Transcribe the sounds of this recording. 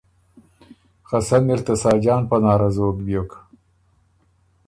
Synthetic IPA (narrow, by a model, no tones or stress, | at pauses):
xasanɪɾt̪asɑːd͡ʒɑːnpanɑːɾazoːkbjok